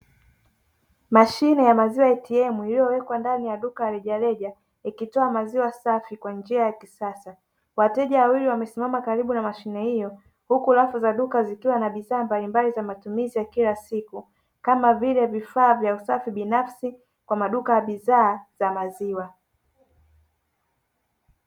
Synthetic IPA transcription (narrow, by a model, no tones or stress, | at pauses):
maʃinɛjamaziwaɛtiɛmuilijɔwɛkwandanijaɗukajaɾɛʄalɛʄa | ikitɔamaziwasafikwand͡ʒiajakisasa | watɛʄawawiliwamɛsimamakaɾiɓunamaʃinɛhijɔ | hukulafuzaɗukazikiwanaɓiðaːmbalimbalizamatumizijakilasiku | kamavilɛvifaːvjausafiɓinafsi | kwamaɗukajaɓiðaːz̥amaziwa